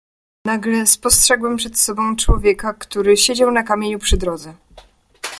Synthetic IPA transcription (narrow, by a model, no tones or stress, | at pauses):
naɡlɛspɔstʂɛɡwɛmpʂɛt̪sɔbɔ̃w̃t͡ʂwɔvʲjɛkakt̪uɾɘɕed͡ʑawnakamʲjeɲupʂɘd̪ɾɔd̪zɛ